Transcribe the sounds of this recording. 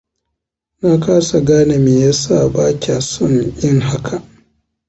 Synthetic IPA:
naː˦kaː˦sa˨ɡaː˦na˨miː˨ja˦saː˦˨baː˦kʲaː˨sɔ˦˨ŋʔɪ˦ŋɦa˦kʰa˨ʔ

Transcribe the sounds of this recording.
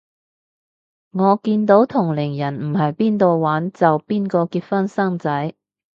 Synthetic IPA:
ŋɔː˨˧kiː˧nt̪o˨˥wt̪ʰʊ˨˩ŋlɪ˨˩ŋjɐ˨˩nm̩˨˩ɦɐ˨jpiː˥nt̪o˨˧wwaː˨˥nt͡sɐ˨wpiː˥nkɔː˧kiː˧t̚fɐ˥nsɐ˥ŋt͡sɐ˨˥j

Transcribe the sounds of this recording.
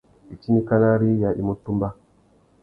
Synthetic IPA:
i˨t͡ʃi˦ni˦ka˦na˦ɾi˦ja˨ʔḭ˨mu˦tːu˦mba˦

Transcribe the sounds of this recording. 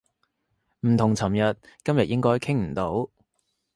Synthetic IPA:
m̩˨˩t̪ʰʊ˨˩ŋt͡sʰɐ˨˩mjɐ˨t̚kɐ˥mjɐ˨t̚jʔɪ˥ŋkɔː˥jkʰɪ˥ŋm̩˨˩t̪o˨˥w

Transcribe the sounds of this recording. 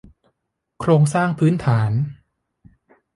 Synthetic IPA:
kʰɾoː˧ŋsaː˥˩ŋpʰɯː˦˥nt̪ʰaː˩˦n

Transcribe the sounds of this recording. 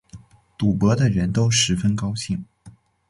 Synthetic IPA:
t̪u˨˩pɤ˧˥d̪ə˧ɻə˧˥nt̪o˥ʊʂɻ̩˧˥fə˥nkɑ˥ʊɕi˥˩ŋ

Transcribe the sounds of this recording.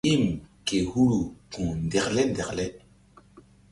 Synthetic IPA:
i˦˨mke˨hu˦ɾu˨kũ˨ndɛ˨klɛ˦ndɛ˨klɛ˦

